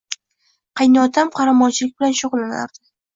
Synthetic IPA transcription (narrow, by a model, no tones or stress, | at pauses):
qʰɑjnɪɒt̪ʰamqʰɑɾamɒnt͡ʃʰɪlɪk̚ʲbɪlanʃʊʁlˠana̰ɾd̪̥ɪ